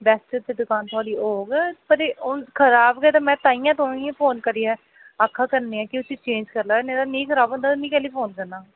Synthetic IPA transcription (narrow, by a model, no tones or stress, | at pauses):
bɛːsʈəd̪eːd̪ʊkaːnt̪ʰʊaːɽiːoːɡpəɾeːʊkʰəɾaːbɡɛːt̪aːmɛ̃ːt̪aːĩjãːt̪̬aːĩãpʰoːnkəɾiːɛː | akʰːaːkəɾneːɛ̃ːkɪʊsʰiːt͡ʃẽːɲd͡ʒkəɾlaːneːɾaːnĩːkʰəɾaːbõnd̪aːnĩːkɛːliːpʰoːnkəɾnaː